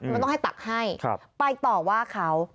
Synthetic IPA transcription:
mma˧nt̪ɔ˥ŋha˥˩jt̪a̰˨˩k̚ha˥˩jkʰpa˧jt̪ɔː˨˩waː˥˩kʰa˦˥w

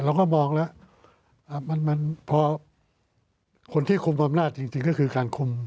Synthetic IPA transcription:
ɾa˧wkɔː˥˩mɔː˧ŋlɛ˦˥ | ʔaː˨˧˩ma˧nma˧npʰɔː˧ | kʰo˧nt̪ʰiː˥˩kʰu˧mʔa˧mnaː˥˩t̪̚t͡ɕi˧ŋt͡ɕi˧ŋkɔː˥˩kʰɯː˧kaː˧nkʰu˧m

